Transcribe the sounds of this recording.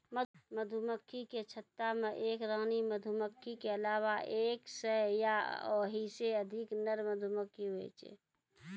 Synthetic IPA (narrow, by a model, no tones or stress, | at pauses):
məməd̪ʱuməkʰːiket͡ʃʰət̪ːamẽʔeːkɾə̃ŋniməd̪ʱuməkʰːikeəlaːwaʔeːksəja̰oːɦiseəd̪ʱɪknəɾməd̪ʱuməkʰːiʋḛːt͡ʃḛː